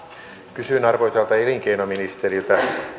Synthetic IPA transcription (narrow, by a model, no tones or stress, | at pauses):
kysynɑrʋojt̪elt̪ɑeliŋkeinominist̪erilt̪æ